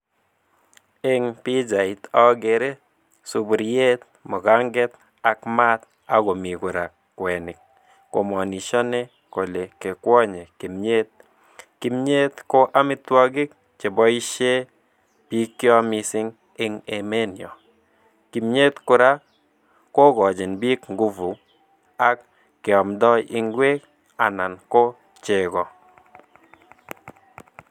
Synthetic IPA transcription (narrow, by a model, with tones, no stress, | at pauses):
ɪ˦ŋpi˦d͡ʒa˨i˨t̪ɔ˦ɡe˨ɾe˦ | su˨bu˨ɾje˦t̪̚mɔ˨ɡa˦ŋɡɛ˦t̪ | a˦kma˦t̪̚ | a˦ɡo˨mi˨kʊ˨ɾa˨ | kwɛ˨nɪ˨k̚ː | o̰˨mɔ˨ni˨ʃɔ˦ne˦ | ko˨le˨ke˨kwɔ˦ɲe˨ki˨mɲe˦t̪̚ | ki˨mɲe˦t̪ko˦ʔa˦mɪ˦twɔ˦ɡɪ˦k̚ | t͡ʃe˨bɔ˦i˦ʃe˦ | pi˦kːɪ˦ɔ˦mɪ˧sɪ˦ŋ | ɪ˦ŋe˨me˦njɔ˨ | ki˨mɲe˦t̪kʊ˦ɾa˦ | ko˦ɡɔ˨d͡ʒɪ˨nbi˦kŋɡu˦vu˨ | a˦kː | ɪ˨ɔ˨mdɔ˦jʔɪ˦ŋɡwe˦k | a˨na˨nko˦ | t͡ʃe˨ɡɔ˨